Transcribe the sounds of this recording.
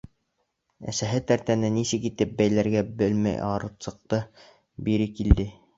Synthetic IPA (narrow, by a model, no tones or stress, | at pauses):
æ̰sæɦɘt̪æɾt̪ænɘnisɘkit̪ɘp̚bæjlæɾɡæbɘlmæ̰jɑɾɤ̆t̪sɤ̆q̚t̪ɤ | biɾɘkild̪ɘ